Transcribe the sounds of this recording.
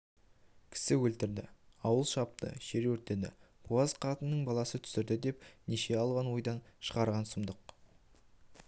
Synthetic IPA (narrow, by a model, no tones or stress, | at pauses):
kʲʰɪ̥sɪwɵlt̪ɪɾd̪ɪ̰ɑwəlˠʃɑp̚t̪ə̰ʃe̞ɾwɵɾt̪ed̪ɪ̰ | b̥ʰuɑzqʰɑt̪ənːəɴbɑlˠɑsət̪ʰʏ̥sɪɾd̪ɪd̪e̞pneʃe̞ɑlˠʁɑnwo̞jd̪ɑnʃəʁɑɾʁɑnsʊmd̪əq